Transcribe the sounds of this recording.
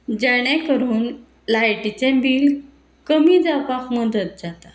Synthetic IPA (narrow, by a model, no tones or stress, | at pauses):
d͡ʑɛɽɛ̃kəɾuːn | lajʈit͡ɕɛ̃biːl | kəmiːd͡zapakməd̪ət̪̚d͡zat̪a